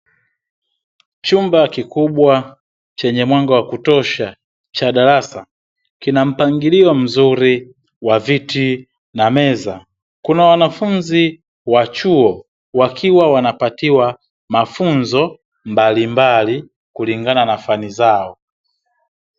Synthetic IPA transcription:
t͡ʃumbakikuɓwa | t͡ʃɛɲɛmwaŋɡawakutɔʃa | t͡ʃaɗaɾasa̰ | kinam̩paŋɡiliɔm̩zuɾi | waviti | namɛza | kunawanafunzi | wat͡ʃuɔ | wakʰiwawanapatiwa | mafunzɔ | mbalimbali | kuliŋɡananafanizaɔ

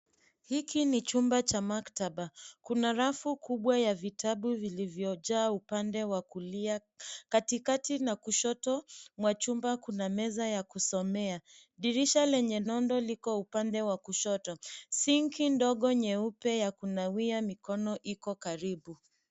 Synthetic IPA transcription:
hikinit͡ʃumbat͡ʃamaktaɓakunaɾafukuɓwajavitʰaɓuvilivjɔʄaːupandɛwakuliakatikatinakuʃɔtɔmwat͡ʃumbakunamɛzajakusɔmɛaɗiɾiʃalɛɲɛnɔndɔlikɔupandɛwakuʃɔtɔsiŋkindɔɠɔɲɛupɛjakunawiamikɔnɔʔikɔkaɾiɓu

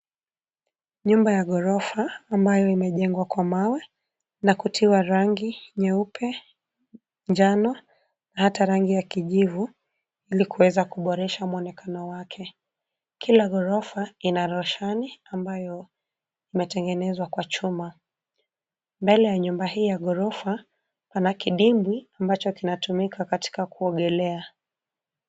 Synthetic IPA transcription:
ɲumbajaɠɔɾɔfaːmbajɔimɛʄɛŋɡwakwamawɛ | nakutʰiwaɾaŋɡiɲɛupʰɛ | nd͡ʒanɔ | nahataɾaŋɡijakiʄivu | ilikuwɛzakuɓɔɾɛʃamwɔnɛkanɔwakʰɛ | kʰilaɣɔɾɔfainaɾɔʃaniambajɔ | imɛtɛŋɡɛnɛzwakwat͡ʃuma | mbɛlɛjaɲumbahiːjaɠɔɾɔfa | panakiɗimbwiambat͡ʃɔkinatumikʰakati̥kakuɔɠɛlɛa

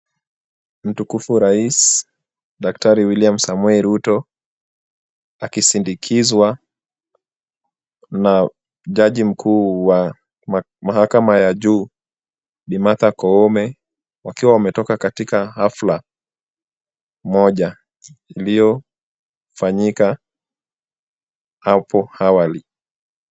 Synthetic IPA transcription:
m̩tukufuɾais | ɗaktaɾiwiliamsamwɛɾutɔ | akisindikʰizwa | na | ʄaʄim̩kʰuːwa | mahakamajaʄuː | ɗimatakɔɔmɛ | wakiwawamɛtɔkakatikahafla | mɔʄa | ilijɔ | faɲika | hapʰɔhawali

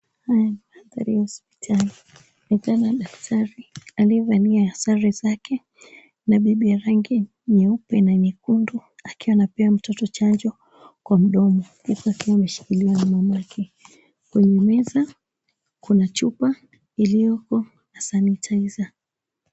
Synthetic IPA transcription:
hajanimaaθa̰ɾiahɔsp̚i̥tʰali | nikanaɗaktʰaɾialiɛvaniaːsaɾizakɛ | naɓiɓijaɾaŋɡi | ɲɛupɛnanikunduakiwaːnapɛam̩tɔtɔt͡ʃand͡ʒɔ | kwam̩ɗɔmɔhisuakiwamɛʃi̥kiliwanamamaakʰɛ | kuɲumɛza | kunat͡ʃupa | ilijɔkɔ | nasanitʰaiza

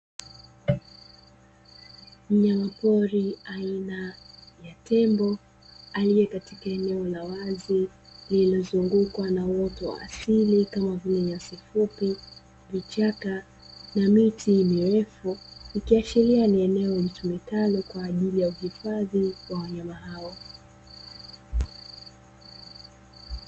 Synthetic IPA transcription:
m̩ɲamapɔɾiainajatɛmbɔ | alijɛkatikaɛnɛɔlawazi | lilɔzuŋɡukwanawɔtɔwa̰ːsilikamavinɛɲasifupi | vit͡ʃaka | namitʰimiwɛfuikiaʃilianiɛnɛɔɲitumɛkalɔkwaːʄilijauhifaðiwawaɲamaɦawɔ

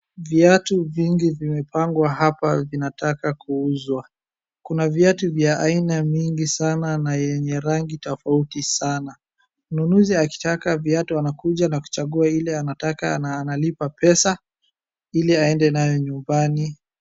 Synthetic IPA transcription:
viatuviŋɡivimɛpaŋɡwahapavinatakakuuzwa | kunavjatuvjaʔainamiŋɡisananajɛɲɛɾaŋɡitɔfautisana | m̩nunuziaki̥takaviatuanakuʄanaku̥t͡ʃaɠuailɛanatakanaːnalipapɛsa | iliaɛndɛnajɔɲumbani

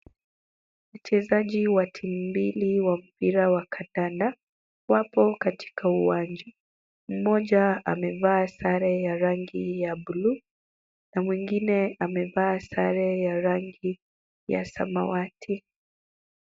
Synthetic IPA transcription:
m̩t͡ʃɛzaʄiwatʰimubiliwam̩piɾawakʰandanda | wapɔkati̥kʰauwand͡ʒa | m̩mɔʄaamɛvaːsaɾɛjaɾaŋɡijaɓulu | namwiŋɡinɛʔamɛvaːsaɾɛjaɾaŋɡi | ja̰sa̰ma̰watʰi

